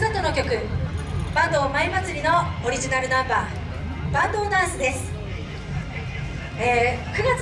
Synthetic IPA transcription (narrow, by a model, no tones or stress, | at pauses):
sat̪o̞no̞kʲo̞kɯ̟ | b̥ãnd̪o̞ːmaimat͡sɨɾʲino̞ːɾʲiʑinaɾɯ̟nãmbaː | b̥ãnd̪o̞ːd̪ãɰ̃sɨd̪e̞sɨ̥ | eːkɯ̟ɡat͡s